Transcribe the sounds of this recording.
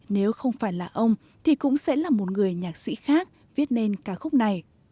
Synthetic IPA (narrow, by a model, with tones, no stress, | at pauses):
ne˨˦wxə˧wŋ͡mfaː˧˩jlaː˨˩ʔə˧wŋ͡m | t̪ʰi˨˩kʊ̰˧˥ŋ͡msɛ̰˧˥laː˨˩mo˨˩t̚ŋɨ˨˩əjɲaː˨˩k̚sḭ˧˥xaː˦˥k̚ | vi˦˥ət̚ne˧nkaː˨˦xʊ˦˥k͡p̚na˨˩j